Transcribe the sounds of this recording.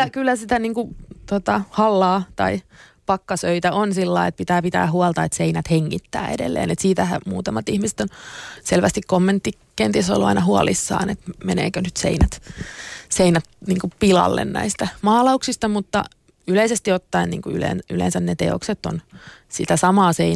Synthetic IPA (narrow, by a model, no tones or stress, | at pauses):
yækylːæsit̪æniːŋkut̪ot̪ɑhɑlːɑːt̪ɑipɑkːɑsøit̪æʔonsilːɑiet̪̚pit̪æːpit̪æ̰ːhuɑlt̪ɑet̪seinæt̪heŋːit̪ːæ̰ːedḛlːḛːnet̪siːt̪æhæ̰muːt̪ɑmɑt̪ihmise̥t̪onselʋæst̪ikkomːent̪ːi | kent̪eso̰lːuɑ̰inɑhuɑlisːɑ̰ːnet̪menḛːkønyt̪sḛinæt̪ | seinæt̪̚niːŋkupilɑ̰lːḛnnæ̰ist̪æmɑːlɑuksist̪ɑmut̪ːɑ̰ | yleisest̪iot̪ːɑinnḭːŋkuylḛnylḛnsænnet̪ḛo̰kset̪ːo̰nsit̪æsɑmɑːsein